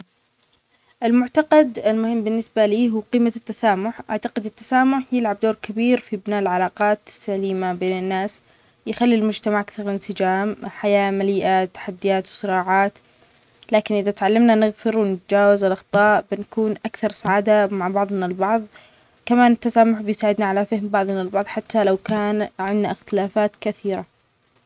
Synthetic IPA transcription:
ʔɪlmʊʕt̪aqɑd̪ɪlmʊhɪmːbɪnːɪsbaliːɦuːqiːmat̪ːasaːmʊħʔaʕt̪aqɪd̪ɪt̪ːḁsaːmʊħjɪlʕabd̪oːɾkabiːɾfibnaːʔɪlʕalɑːqɑːt̪sːaliːmabeːnɪnːaːs | jɪxalːilmʊd͡ʒt̪amaʕʔakθɑɾˤlɪnsɪd͡ʒaːmħajaːmaliːʔat̪ːḁħad̪ːɪjaːt̪wsˤɨɾɑːʕaːt̪ | laːkɪnʔɪðat̪ʕalːamnanɪɣfɪɾwɪnɪt̪ad͡ʒaːwazɪlʔɑxt̪ˤɑːʔbɪnakuːnʔakθɑɾˤsaʕaːd̪amaʕbɑʕðˤnalbɑʕðˤ | kamaːnɪt̪ːasaːmʊħbɪjsaːʕɪd̪naʕalafɪhɪmbɑʕðˤnalbɑʕðˤħat̪ːalawkaːnʕɪnːaʔɪxt̪ɪlaːfaːt̪kaθiːɾa

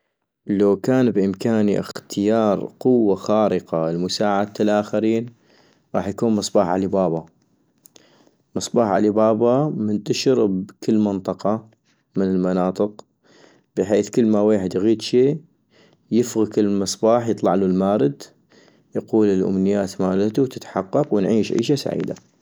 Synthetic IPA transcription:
lawkaːnbʔɪmkaːniʔɪ̰xt̪ʰɪjɑːɾˤqʊwːaxaːɾɪqɑɪlmʊsaːʕad̪̚t̪ːalʔaːxaɾiːn | ɣˤɑːħjakuːnmɨsˤbɑːħʕa̰libɑːbɑ | mɨsˤbɑːħʕa̰libɑːbɑmʊnt̪aʃɾbkɪlːmɪnt̪ˤɑqɑ | mɪnɪlmanɑːt̪ˤɨq | b̥ɪħeːθkɪlːmaweːħɪd̪jɣiːd̪ʃiː | jɪfɣɪkɪlmɨsˤbɑːħjɨt̪ˤlɑʕlulmaːɾɪd̪ | jɑquːlɪlʔʊ̰mnɪjːaːt̪maːlat̪uwt̪ɪt̪ħɑqːɑqwɪnʕiːʃʕḭːʃasa̰ʕḭːd̪a̰

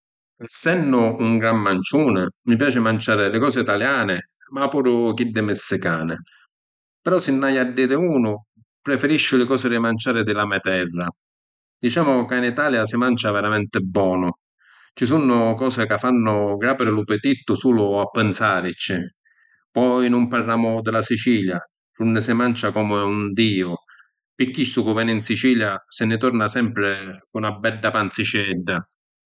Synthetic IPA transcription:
ɛsɛnːʊːŋɡɾamːant͡ʃuːnɪmipjaːt͡ʃɪmant͡ʃaːɾɪlɪkɔːsɪit̪aljaːnɪ | mapːuːɾʊk̟id̪ːɪmɪsːɪkaːnɪ̰ | pɛɾɔsɪnːajad̪ːiːɾɪuːnʊ | pɾɛfɪɾiʃːʊlɪkɔːsɪɾɪmant͡ʃaːɾɪd̪ɪlamɛt̪ɛrːa | d̪̥it͡ʃaːmʊkainit̪aːljasɪmant͡ʃavɛɾamɛnt̪ɪbːɔːnʊ | t͡ʃisunːʊkɔːsɪkafːanːʊɡɾaːpɪɾɪlupɪt̪it̪ːʊsuːlʊapːɪnsaːɾit͡ʃːɪ | pɔjnʊmparːaːmʊd̪ɪlasit͡ʃiːlja | ɾunːɪsɪmant͡ʃakɔmɪund̪iːʊ | pikːisːʊkʊvɛːnɪinsit͡ʃiːljasɪnɪt̪ɔɾnasɛmpɾɪkunabːɛɖːapant̪sit͡ʃɛɖːa

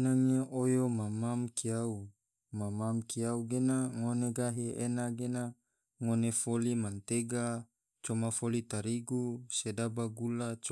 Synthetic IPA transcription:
naŋaʔojomamamkiau | mamamkiauɡenaŋoneɡaɦeenaɡena | ŋonefolimant̪eɡa | t͡ʃomafolit̪aɾiɡusedabaɡulat͡ʃ

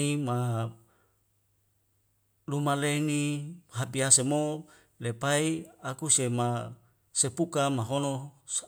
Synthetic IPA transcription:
ima | lumalenihapiɦasemo | lepaiakusema | sepukamaɦono

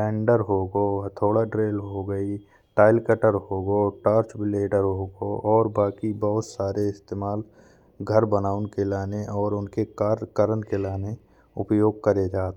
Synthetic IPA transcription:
ɛ̃ːɳɖəɾɦoɡot̪ʰoːɽaɖɾeːlɦoɡəi | ʈaːɪlkəʈəɾɦoːɡoʈaːɾt͡ʃbɪleːɖəɾɦoːɡoʔɔːɾbaːkibəɦʊt̪saːɾeɪst̪eːmaːl | ɡʱəɾbənaːʊnkelaːneʔɔːɾʊnkekːɾkəɾənkelaːne | ʊpjoːɡ̚kəɾed͡ʒaːt̪

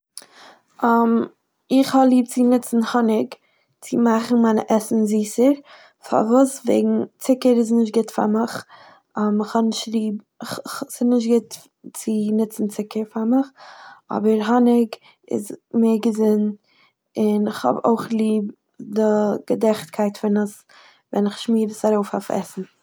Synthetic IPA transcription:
am | ɪχhɔblˠiːb̚t͡sɪnɪt͡sn̩hɔnɪɡ | t͡sɪmaχn̩maɪnə̰ʔɛsn̩ziːsəɾ | fa̰vuːsvḛɪɡŋ̩t͡sɪkəɾɪs̬nɪʃ̬t̚ɡɪtfa̰ɾmɪχ | əmɪχhɔnɪʃtlˠiːb | χsɪnɪʃtɡɪt | t͡sɪnɪt͡sn̩t͡sɪkəɾfamɪχɔ̰bəɾɦɔnɪɡ | ɪ̰zmeːɾɡəzɪn | ɪnɪχhɔ̰bo̰ʊχlˠiːb | dɪɡ̥ədɛχtkʰaɪtfɪnəs | vɛ̰nɪχʃmiːɾəsaɾoʊfafɛ̰sn̩

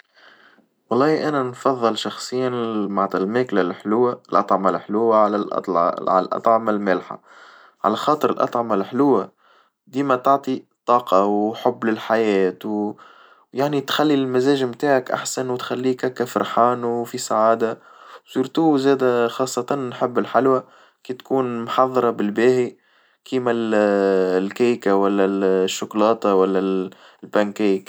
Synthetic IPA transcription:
wɑlˤːɑːʔænænfɑðˤːɨlʃɑxsˤɨjːanmaʕt̪almeːklalħlʊwːalʔɑ̰t̪ˤʕmalħlʊwːaʕla̰ʕa̰l̰lʔɑ̰t̪ˤʕɑmalmælħa̰ | ʕa̰læxɑːt̪ˤɨɾɪlʔɑ̰t̪ˤʕɑmalħlʊwa | d̪iːmæt̪ɑʕt̪ˤit̪ˤɑːqɑwħʊbːlɪlħajɛːt̪w | jaʕnit̪xælːilmæzɛːʒmt̪aːʕakʔa̰ħsanwt̪xælːiːkækæfɑɾˤħaːnufisaʕaːd̪asuːɾt̪uːzæːd̪æxɑːsˤːɑt̪ˤɑnnħɪbːɪlħalwæ | kiːt̪kuːnmħɑðˤːɑɾˤɑbɪlbæːhi | kʰiːmæl | lkæːjkawælːæʃːʊklɑːt̪ˤɑwælːæ | lbænkiːk

